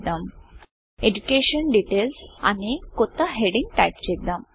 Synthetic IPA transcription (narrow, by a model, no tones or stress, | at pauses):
d̪əm | ed͡ʑukeɕənɖiʈelsa̰nikot̪aɦeɽĩŋɡʈajpt͡ɕek̚d̪əm